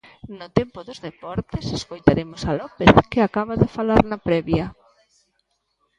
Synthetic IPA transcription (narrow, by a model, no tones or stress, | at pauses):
nʊt̪ɛmpoðozðepɔɾt̪eseskojt̪aɾemosalɔpeθkɪakaβaðɪfalaɾnapɾɛβja